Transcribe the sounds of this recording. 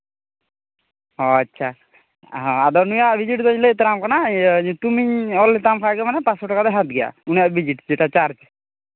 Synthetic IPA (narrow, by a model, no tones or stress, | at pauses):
ɦɔatːt͡ʃʰa | ɦɔad̪ɔnujaʔbid͡ʒiʈd̪ɔɲlet̪ɾamkanat̪umiɲɔlt̪ampʰajɡɛmanɛpasɔʈɔkad̪ɛɦat̪̚ɡɛja̰unjaʔbid͡ʒiʈd͡ʒɛʈat͡ʃaɾt͡ʃ